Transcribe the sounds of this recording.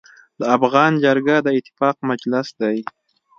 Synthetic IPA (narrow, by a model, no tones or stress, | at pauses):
d̪əafɣɑnd͡ʒaɾɡad̪əɪt̪ɪ̥fɑq̚mad͡ʒlɪsd̪aj